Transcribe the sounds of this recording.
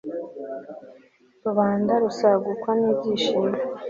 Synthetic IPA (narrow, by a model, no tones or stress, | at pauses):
ɾuβaːndaɾusaɡukwaniːbɟiːʃime